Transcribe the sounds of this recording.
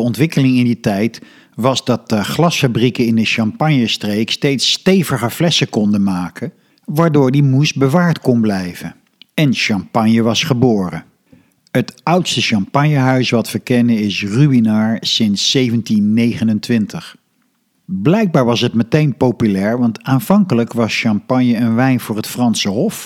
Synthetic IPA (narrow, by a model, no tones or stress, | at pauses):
əɔntʋɪkəlɪŋɪnditɛjt | ʋɑzdɑt̚dəχlɑsfabrikəɪndəʃɑmpɑɲjəstrejkstejtstejvəχəɹvlɛsəkɔndəmaːkʰə | ʋaːɹdʊːɹdimusbəʋaːɹtkɔnblɛjvə | ɛnʃɑmpɑɲjəʋɑsχəbʊːrə | ɦətʌwtstəʃɑmpɑɲjəɦœɥsʋɑtʋəkɛnənɪsrybinaːɹsɪnsːejvəntinːejχənəntʋɪntʰəχ | blɛjɡ̚baːɹʋɑsɦətmətejnpowpylɛːɹʋɑntaːnvɑŋkələkʋɑsʃɑmpɑɲjəənʋɛjnvʊːɹɦətfrɑnsəɦɔf